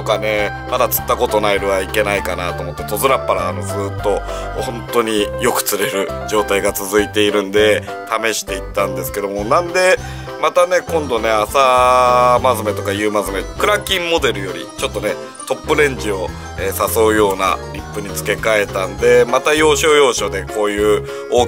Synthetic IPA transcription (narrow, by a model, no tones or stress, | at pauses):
t̪okane̞ | mad̪at͡sɨ̥t̪ːako̞t̪o̞naiɾɯ̟βaike̞naikanat̪o̞ːmo̞t̪ːe̞t̪o̞zɨɾapːaɾaːno̞sɨːt̪ːo̞ | hõ̞nt̪o̞ɲ̟ijo̞kɯ̟̥t͡sɨɾe̞ɾɯ̟d͡ʑo̞ːt̪aiɡat͡sɨzɨit̪e̞iɾɯ̟̃nd̪e̞ | t̪ame̞ɕi̥t̪e̞it̪ːãnd̪e̞sɨ̥ke̞d̪o̞mo̞nãnd̪e̞ | mat̪ane̞kõ̞nd̪o̞ne̞asa | mazɨme̞t̪o̞kajɯ̟ːmazɨmekɯ̟ɾakʲĩmːo̞d̪e̞ɾɯ̟jo̞ɾʲḭt͡ɕo̞t̪ːone̞ | t̪o̞pːɯ̟ɾẽ̞ɲ̟d͡ʑio̞ | eːsaso̞ːjo̞ːna̰ɾʲipːɯ̟ɲ̟it͡sɨ̥ke̞kae̞t̪ãnd̪e̞mat̪ajo̞ːɕo̞ːjo̞ːɕo̞d̪e̞kʰo̞ːjɯ̟ː | o̞ː